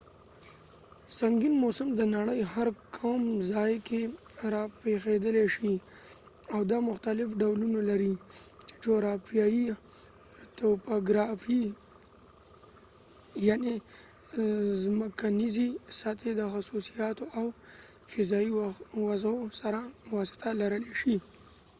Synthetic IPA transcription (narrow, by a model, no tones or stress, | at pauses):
saŋɡinmosəmd̪ənaɽəjhaɾkʰamzɑjkeɾɑpexed̪əleʃi | awd̪amʊxt̪alɪfɖawlunalaɾit͡ʃe̥t͡ʃoɾɑpijaji | t̪opaɡɾɑfi | jane | zməkanizisat̪ʰed̪əxasusijɑt̪oʔawfɪzɑiwazosaɾawɑsɪ̥t̪ʰalaɾəleʃi